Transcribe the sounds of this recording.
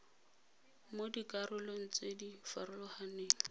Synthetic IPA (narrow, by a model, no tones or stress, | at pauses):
modikʼarʊloŋ̩t͡sʼedifaɾʊlɔhaneːŋ̩